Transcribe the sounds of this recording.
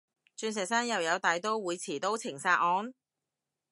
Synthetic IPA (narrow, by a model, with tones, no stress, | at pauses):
t͡ʃyː˧nsɛː˨˩k̚saː˥njɐ˨wjɐ˨˧wt̪aː˨jt̪o˥wwuː˨˧jt͡sʰiː˨˩t̪o˥wt͡sʰɪ˨˩ŋsaː˧t̚ʔɔː˨˧˥n